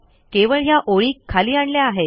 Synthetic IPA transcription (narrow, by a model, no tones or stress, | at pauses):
keʋəɭɦjaʔoɭiːkʰːaliːaɳɖljaːɦe